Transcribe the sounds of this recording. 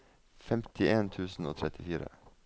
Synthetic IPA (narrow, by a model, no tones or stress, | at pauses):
fɛmt̪ɪʔeːnt̪ʰʉːsn̩o̰ːt̪ʰɾɛt̪ɪfiːɾə̰